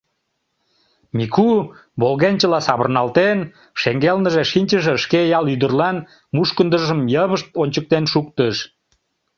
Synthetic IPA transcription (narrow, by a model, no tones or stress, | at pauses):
mikuβolɣenʲt͡ɕəlɑsɑβə̰̆rnɑlt̪en | ʃeŋɡelnəʒeʃinʲt͡ɕəʒeəʃkejɑlyd̪ərlɑn | muʃkənd̪əʒəmjəβəʃt̪onʲt͡ɕək̚t̪enʃuk̚t̪əʃ